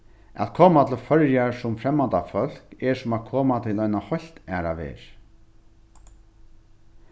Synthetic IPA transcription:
a̰t̪kʰoːmat̪ʰɪlfœɹjaɹsʊmfɾɛmːant̪afœl̥kɛsʊmat̪kʰoːmat̪ʰɪlɔjnahɔl̥t̪æːɾa̰ʋḛːɹ

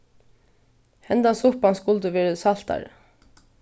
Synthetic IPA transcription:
hɛnd̪asʊpanskʊlt̪əʋɛːɹəsal̥t̪a̰ɾ

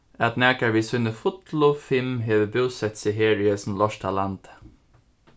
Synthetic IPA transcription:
æt̪næːkaʋiːsʊnəfʊt̪lʊfɪmɦeːʋəbɪwsɛt̪sɪɦeːɾɪɛsnlɔʂt̪ʰalant̪

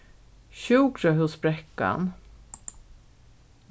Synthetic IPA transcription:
ɕʉːkɾəɦʊsbɾɛkːa̰n

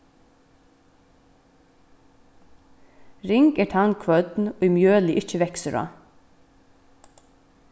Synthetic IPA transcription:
ɾɪŋkɛːʈʰaŋkʰʋœd̪nɔimjøːlɪʔɪc͡çəʋɛksəɾɑ̰ː

